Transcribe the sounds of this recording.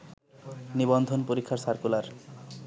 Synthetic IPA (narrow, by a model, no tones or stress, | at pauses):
nibond̪ʱonpoɾikʰːaɾsaɾkulaɾ